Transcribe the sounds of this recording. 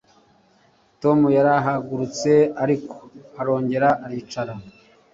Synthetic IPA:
to̞mujaɾaɦaɡuɾut͡se̞aɾiko̥aɾo̞ːɲɟe̞ɾaʔaɾiːt͡ʃaɾa

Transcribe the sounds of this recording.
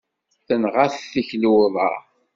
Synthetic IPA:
θənʁaθθiçluwðˤɑ̰

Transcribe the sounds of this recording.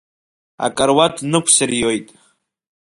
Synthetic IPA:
a̰kʼaɾwatʰnɨkʷʰsɨrjojtʼ

